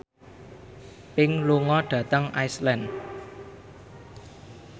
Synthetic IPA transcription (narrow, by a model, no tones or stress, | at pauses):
pɪŋluŋɔɖ̥ä̤t̪əŋajslɛn